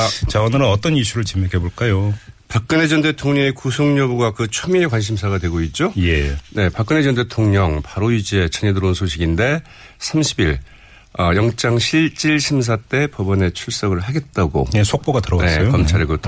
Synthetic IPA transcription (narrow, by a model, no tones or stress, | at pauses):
t͡ɕaonɯɾaʌt͈ʌniɕʰuɾɯɭt͡ɕimekʰeboɭk͈ajopak̚k͈ɯne̞d͡ʑʌnde̞tʰoŋɲʌŋekusʰoŋɲʌbuɡakɯt͡ɕʰomiekwanɕ̬ʰimsʰaɡadwe̞ɡoit̚t͡ɕ͈ojene̞pak͈ɯne̞d͡ʑʌnde̞tʰoŋɲʌŋpaɾoid͡ʑe̞t͡ɕʌɲedɯɾonsʰoɕʰiɡinde̞ | sʰamɕʰibiɭ | ʌjʌŋt͡ɕ͈aŋɕʰiɭt͡ɕ͈iɭɕʰims̬ʰat͈e̞pʌbʌne̞t͡ɕʰuɭs͈ʌɡɯɭɦaɡe̞t̚t͈aɡo̰esʰok̚p͈oɡatɯɾʌwnesʌjokʌmt͡ɕʰaɾeɡotʰ